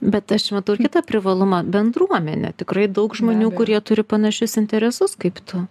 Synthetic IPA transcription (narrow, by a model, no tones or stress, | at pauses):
bʲɛt̪ɐʃmɐt̪ɐʊkʲɪt̪ɐpʲɾʲɪʋɐlˠʊmɐbʲɛnd̪ruɔmʲɛ̰nʲɛ̰t̪ʲɪkrɐɪd̪ɐʊkʒmoːnʲuːkʊɾʲiɛt̪ʊɾʲɪpɐnɐʃʲʊsɪnʲt̪ʲɛɾʲɛsʊskɐɪpt̪ʰʊ